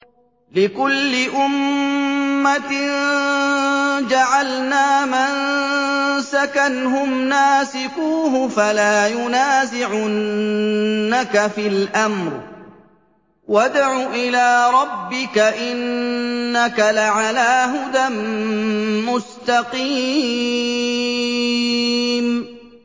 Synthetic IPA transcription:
lɪkʊlːɪʔʊmː | at̪ɪn | d͡ʒaʕalnaːman | sakanɦʊmnaːsɪkuːɦʊfalaːjʊnaːzɪʕʊ | akafɪlʔamɾ | wad̪ʕuːʔɪlaːɾˤɑbːɪkaʔɪnː | akalaʕalaːɦʊd̪amː | ʊst̪ɑqiː | m

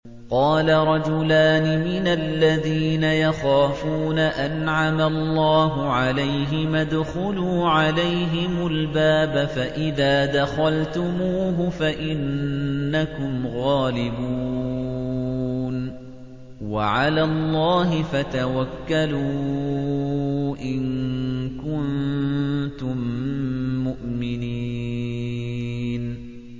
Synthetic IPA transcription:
qɑːlaɾˤɑd͡ʒʊlaːnɪmɪnalːaðiːnajaxaːfuːnaʔanʕamalˤːɑːɦʊʕalajɦɪmad̪xʊluːʕalajɦɪmʊlbaːbafaʔɪðaːd̪axalt̪ʊmuːɦʊfaʔɪnː | akʊmɣaːlɪbuː | n | waʕalaːlˤːɑːɦɪfat̪awakːaluː | ʔɪŋkʊn | t̪ʊmː | ʊʔmɪniː | n

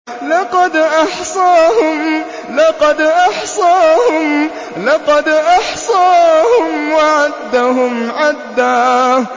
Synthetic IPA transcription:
lɑqɑd̪ʔɑħsˤɑːhʊm | lɑqɑd̪ʔɑħsˤɑːhʊm | lɑqɑd̪ʔɑħsˤɑːhʊmwaʕad̪ːaɦʊmʕad̪ːaː

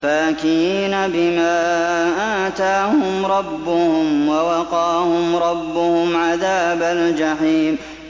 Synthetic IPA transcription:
fakiːnabɪmaːʔaːt̪aːhʊmɾˤɑbːʊhʊmwawɑqɑːhʊmɾˤɑbːʊhʊmʕaðaːbald͡ʒaħiːm

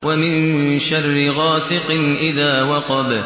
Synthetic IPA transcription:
wamɪnʃarˤːɪɣɑːsɪqɪnʔɪðaːwɑqɑb

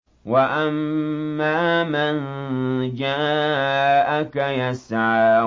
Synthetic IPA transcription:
waʔamːaːman | d͡ʒaːakajasaʕa

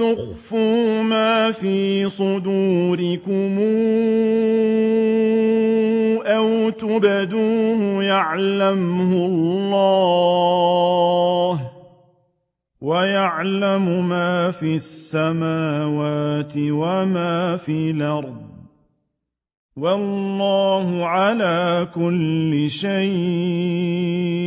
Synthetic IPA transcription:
t̪ʊxfuːmaːfiːsˤʊd̪uːɾɪkʊmuː | ʔawt̪ʊbad̪uːhʊjaʕlamhʊlˤːɑː | h | wajaʕlamʊmaːfiːasːamaːwaːt̪ɪwamaːfiːlʔɑɾˤd | wɑlːɑːhʊʕalaːkʊlːɪʃaj

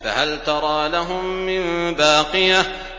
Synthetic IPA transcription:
fa̰halt̪ɑɾˤɑːlaɦʊmːɪnbaːqɨja

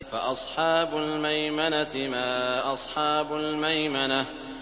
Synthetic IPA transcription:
faʔɑsˤħɑːbʊlmajmanat̪ɪmaːʔɑsˤħɑːbʊlmajmana

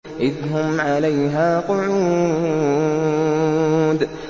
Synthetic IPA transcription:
ʔɪðɦʊmʕalajɦaːqʊʕuː | d̪

